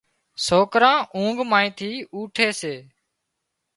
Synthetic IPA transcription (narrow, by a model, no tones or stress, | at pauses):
soːkɾãːʔũːŋɡmãːĩːt̪ʰiːuːʈʰeːseː